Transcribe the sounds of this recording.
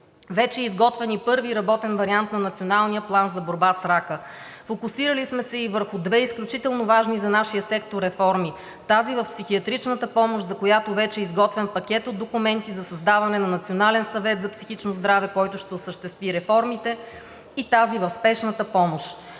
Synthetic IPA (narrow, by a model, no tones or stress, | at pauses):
vɛt͡ʃɛizɡɔt̪vɛnipɤɾviɾɐbɔt̪ɛnvɐɾiant̪nɐnɐt̪sionalˠnijəplˠanzɐboɾbasɾakə | fokʊsiɾəlismɛsɛivəɾxʊd̪vɛisklʲut͡ʃit̪ɛlˠnʊvaʒnizɐnaʃijəsɛk̚t̪oɾɛfɔɾmi | t̪azivɐfpsixiɐt̪ɾit͡ʃnət̪əpɔmoʃzɐkojat̪ovɛt͡ʃɛizɡɔt̪vɛmpɐkʲɛt̪od̪ːokʊmɛnt̪izɐsɐzd̪avɐnɛnɐnɐt̪sionalɛnsɐvɛt̪zɐpsixit͡ʃnozd̪ɾavɛkɔjt̪ʊʃt̪ɛʊsəʃt̪ɛst̪viɾɛfɔɾmit̪ɛ | it̪azivɐfspɛʃnət̪əpɔmoʃ